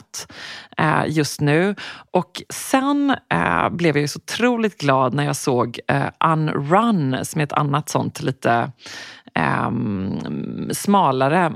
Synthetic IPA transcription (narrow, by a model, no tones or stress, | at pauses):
t̪ | jɵst̪nʉ̟ːʔɔksɛn | blɛvjasɔʊt̪ʰɾuːlɪt̪̚ɡlɑːd̪næɾjɑːsoːɡ̰ʔanɾansɔmɛɛt̪ʰa̰nːat̪sɔ̰nt̪liːt̪ə | smɑːlaɾə